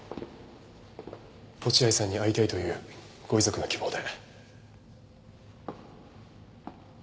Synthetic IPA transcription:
ko̞t͡ɕiaisãɲ̟ːiait̪ait̪o̞jɯ̟ː | ɡ̥o̞izo̞kɯ̟nokʲibo̞ːd̪e̞

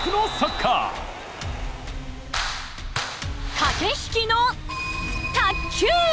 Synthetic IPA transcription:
kɯnosɐkʰːa̰ | kʰakeɕkʲino | t̪ʰakʲʰu

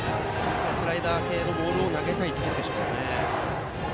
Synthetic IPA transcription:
asɨɾaid̪aːke̞ːno̞bo̞ːɾɯo̞naɡe̞t̪ait̪ːokʲind̪e̞ɕoːne

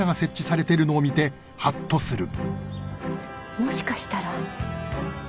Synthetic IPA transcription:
aɡase̞t͡ɕːisaɾe̞t̪e̞ɾɯ̟no̞ːmʲit̪e̞ | hat̪ːo̞sɨɾɯ̟ | mo̞ɕi̥kaɕi̥t̪aɾa

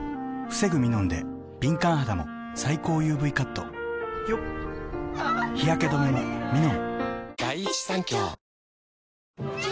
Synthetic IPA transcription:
ɸɯ̟̥se̞ɡɯ̟mʲinõ̞nd̪e̞ | b̥ʲĩŋkãɰ̃ɦad̪amo̞̰ | saiko̞ːjɯːbɯ̟ikat̪ːo̰jo | çijake̞d̪o̞memomʲinõŋd̪̥ait͡ɕi̥sãŋkʲo

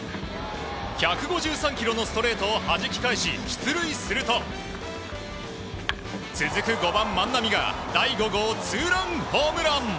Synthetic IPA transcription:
çʲakɯ̟ɡo̞ʑɨːsãŋkʲiɾo̞no̞sɨ̥t̪o̞ɾe̞ːt̪o̞ːhaʑikʲi̥kaiɕiɕi̥t͡sɨɾɯ̟isɨɾɯ̟t̪o̞ | t͡sɨzɨkɯ̟ɡo̞bãmːãnːamʲiɡa̰d̪aiɡo̞ɡot͡sɨːɾãŋhoːmɯ̟ɾãn

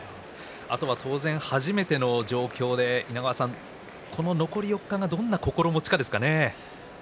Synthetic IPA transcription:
a̰t̪o̞βat̪ʰo̞ːzẽɰ̃haʑime̞t̪e̞no̞d͡ʑo̞ːkʲo̞ːd̪e̞inaɡaβasãŋ | kʰo̞no̞no̞ko̞ɾʲijo̞kːaŋad̪õ̞nːako̞ko̞ɾo̞mo̞t͡ɕi̥kad̪esɨ̥kane̞

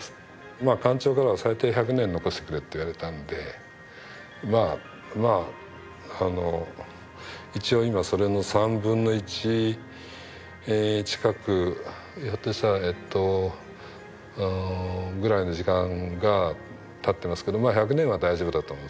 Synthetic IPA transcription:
maːkãɲ̟t͡ɕo̞ːkaɾaβasait̪eːçak̬ɯ̟nẽ̞nːo̞ko̞ɕi̥t̪ekɯ̟ɾet̪ːe̞iβaɾe̞t̪ãnod̪e̞ | maː | ma | ano̞ | it͡ɕio̞imaso̞ɾe̞no̞sãmbɯ̟̃nːo̞it͡ɕi | t͡ɕi̥kakɯ̟ | jot̪ːoɕi̥t̪aet̪ːo̞ | ɡɯ̟ɾaino̞ʑikãŋɡa | t̪at̪ːe̞masɨ̥ked̪o̞maːçak̬ɯ̟nẽ̞ɰ̃βad̪aiʑo̞bd̪at̪omõ̥

